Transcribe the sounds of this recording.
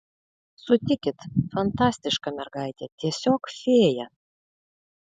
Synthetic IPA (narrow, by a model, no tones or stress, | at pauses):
sʊt̪ʲɪkʲɪt̪fɐnt̪ɑsʲt̪ʲɪʃkɑmʲɛɾɡɑjt̪ʲɛt̪ʲiɛsʲokfʲeːjɛ